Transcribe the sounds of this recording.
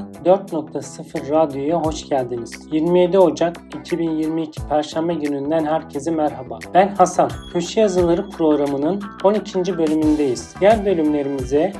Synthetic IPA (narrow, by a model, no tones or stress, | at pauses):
d̪øɾt̪no̞k̚t̪ʰasɯfɯɾːad̪ijo̞jaɦo̞ʃɟælʲd̪iniz̥jiɾmije̞d̪io̞d͡ʒak | icʰibinjiɾmiːcʰi̥pʰæɾʃambajynynd̪ænɦæɾcʰe̞zimæɾɦabab̥ænhasancʰøʃijazɯlˠaɾɯpʰɾo̞ɡɾamɯnɯno̞nicʰind͡ʒibø̞lʲymynd̪ejiz̥jæɾbø̞lʲymlʲe̞ɾimizɛ